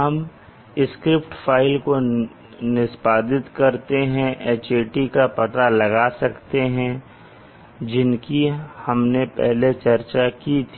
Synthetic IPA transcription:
ɦɐm | ɪskɾɪpʈfʰaːɪlko | nɪspaːd̪ɪt̪kɐɾt̪eɦɛ̃ʔeːt͡ʃeːʈikapɐt̪alɐɡasɐkt̪eɦɛ̃ | d͡ʒɪnkihɐmnepɛ̰ɦlet͡ʃɐɾt͡ʃakit̪ʰi̥ː

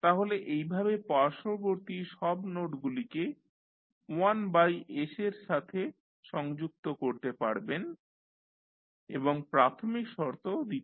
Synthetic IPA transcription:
t̪aɦoleʔejbʱabepaɾʃoboɾt̪iʃɔbnoʈɡulike | uanbajeʃeɾʃat̪ʰe | ʃɔŋd͡ʑuk̚t̪okoɾt̪epaɽben | eboŋpɾat̪ʰomikʃɔɾt̪ʰod̪it̪e

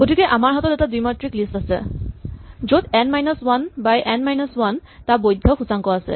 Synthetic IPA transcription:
ɡ̥otikɛʔamaɹɦatɔtɛtadujmatɹiklistasɛ̰ | zodɛnmajnɔswanbajʔɛnmajnɔswantabojdʱːɔxʰusaŋkɔasɛ̰

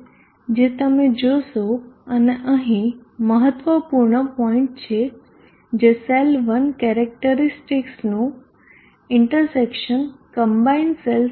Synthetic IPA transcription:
d͡ʑet̪əmẽd͡ʑosoɐneʔəɦĩməɦət̪ʋəpuɾɳəpɔ̃ɪ̃ɳʈt͡ɕʰe | d͡ʑeselʋənkeɾek̚ʈəɾɪsʈɪksnũ | ɪɳʈəɾsekʃənkəmbaɪnsel

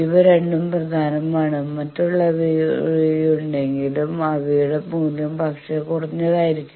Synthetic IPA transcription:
iʋɐɾe̞ɳɖumprɐd̪ʱaːnɐmaːɳɨmɐtːuɭːɐʋiijuɳɖe̞ŋɡilumɐʋiuɽepuːnjɐmpɐkʂɐkurɐɲːɐðaːjiɾikʲːu

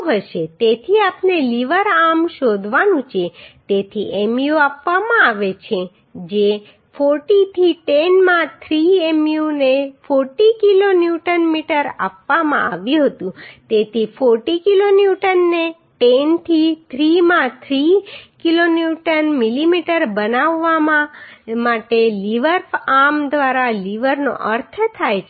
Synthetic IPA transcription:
ɦəʃet̪et̪ʰiapneliʋəɾamʃod̪ʱʋanũt͡ʃʰet̪et̪ʰiʔemjuapʋamãaʋet͡ʃʰe | d͡ʒe | foɾʈit̪ʰiʈenmãt̪ʰɾiemjunefoɾʈikilonjuʈənmiʈəɾa̰pʋamã̰aʋjũɦət̪ũt̪et̪ʰifoɾʈikilonjuʈənːe | ʈent̪ʰit̪ʰɾimãt̪ʰɾikilonjuʈənmilimiʈəɾbənaʋːamãmaʈeliʋəɾfamd̪ʋaɾaliʋəɾno̰ʔəɾt̪ʰt̪ʰajt͡ʃʰ

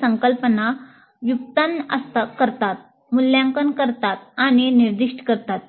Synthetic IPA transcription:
səŋkəlpəna | ʋjuk̚t̪ənə̰st̪akəɾt̪at̪̚ | muljãŋkənkəɾt̪at̪̚aɽ̃iniɾd̪iʂʈkəɾt̪at̪̚

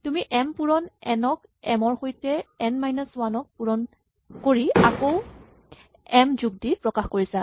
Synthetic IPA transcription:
tumiʔɛmpuɹɔnɛnɔk | ɛmɔɹxojtɛɛnmajnɔswanɔk̚puɹɔn | koɹiakow | ɛmzuɡ̚dipɹɔkaxkoɹisa

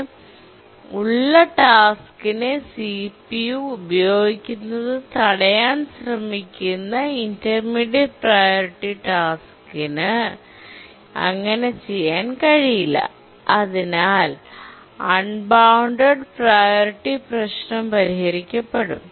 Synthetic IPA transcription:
uɭːɐʈaːskinesipijuːbɐjo̞ːɡikʲːunːɐðɨt̪ɐɽɐjaːnɕrɐmikʲːunːɐindɐrmiːɽjeɖ̚prɐjoɾiʈːiʈaːskinɨ | ɐ̰ŋːɐne̞t͡ɕe̞jːaːnkɐɻijilːɐ̰ | ɐðinaːl | ɐɳbawɳɖɐɖprajoɾiʈːiprɐɕnɐmpɐɾihɐɾikʲːɐpːeɽṵm

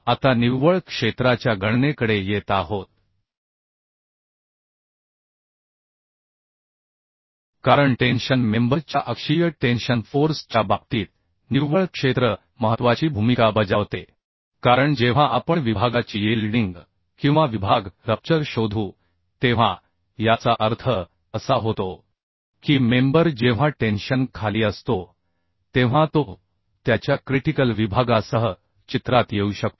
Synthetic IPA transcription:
at̪aniʋʋəɭkʂet̪ɾat͡ɕjaɡʱəɳnekəɽejet̪aɦot̪̚ | kaɾəɳʈenɕənmembəɾt͡ɕjaʔəkʂijəʈenɕənfoɾst͡ɕabak̚t̪iːt̪̚ | niʋʋəɭkʂet̪ɾə | məɦət̪ʋat͡ɕiːbʱumikabəd͡zaʋt̪e | kaɾəɳd͡ʑeʋ̤ãʔapəɳʋibʱaɡat͡ɕiːelɖiŋɡ | kĩw̃ʋaʋibʱaɡɾəp̚t͡ɕəɾɕod̪ʱuː | t̪eʋ̤a | jat͡saʔəɾt̪ʰə | əsaɦot̪o | kiːmembəɾd͡ʑeʋ̤ãʈenɕənkʰaliːəst̪o | t̪eʋ̤ãt̪o | t̪jat͡ɕjakɾiʈikəlʋibʱaɡasəɦə | t͡ɕit̪ɾat̪jeuɕək̚t̪o

